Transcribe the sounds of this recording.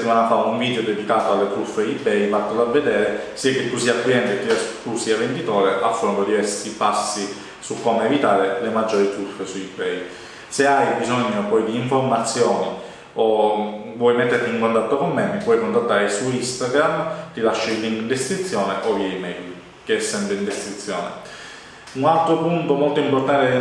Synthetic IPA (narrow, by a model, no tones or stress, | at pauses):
t̪ːimanafauɱviːd̪eod̪ed̪ikaːt̪oalːet̪ɾufːeibɛjbat̪ːolavːed̪ɛːɾesiːak̟et̪ːus̬iːakliɛnt̪et̪ːiɛst̪usiːavend̪it̪oːɾeʔafːond̪od̪ivɛst̪ipasːi | sukːomeːvit̪aːɾelemad͡ʒːoːɾit̪ɾufːesuibɛj | seajbizoɲːopɔjd̪iːɱfoɾmat̪sːjoːni | ovwɔjmɛt̪ːeɾt̪iːŋkont̪at̪ːokomːemːipwɔjkont̪at̪ːaːɾesuist̪aɡɾamt̪ilaʃːailːiŋɡd̪esk̪ɾit̪sːjɔːneʔojɛimɛjl | k̟eɛsːɛmpɾint̪eskɾit̪sːjɔ̰ːnḛ | unalt̪ɾopunt̪omolt̪oimpoɾt̪ant̪e